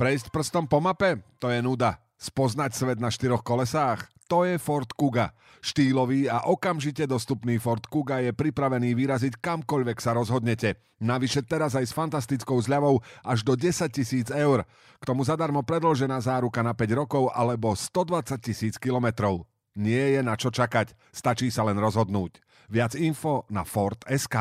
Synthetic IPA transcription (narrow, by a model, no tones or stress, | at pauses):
pɾɛjs̬cpr̩st̪ɔmpɔmapɛt̪ɔjɛnuːd̪a | spɔznacsʋɛd̪̚naʃt̪iɾɔxkɔlɛsaːxt̪ɔjɛfɔɾt̪kuɡa | ʃt̪iːlɔʋiːaʔɔkamʒicɛd̪ɔst̪upniːfɔɾt̪kuɡajɛpɾipɾaʋɛniːʋiɾazickamkɔʎʋɛksaɾɔzɦɔd̪ɲɛcɛ | naʋiʃɛt̪ɛɾazajsfant̪ast̪it͡skɔʊzʎaʋɔʊʔaʒd̪ɔɟɛsac̚cisiːd͡zɛʊɾ | kt̪ɔmuzad̪aɾmɔpɾɛd̪lɔʒɛnaːzaːɾukanapɛɟɾɔkɔʊʔa̰lɛbɔst̪ɔd̪ʋat͡sac̚cisiːt͡skilɔmɛt̪ɾɔʊ | ɲɪɛjɛnat͡ʃɔt͡ʃakac | st̪at͡ʃiːsalɛnɾɔzɦɔd̪nuːc | ʋɪad͡zinfɔna̰fɔɾt̪ɛskaː